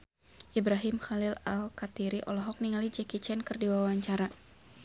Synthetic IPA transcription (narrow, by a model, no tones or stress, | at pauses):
ʔibɾaɦimxalɪla̰lkat̪iɾiʔɔ̰lɔɦɔk̚niŋalid͡ʒɛkit͡ʃɛnkɨrdiwawaɲt͡ʃaɾa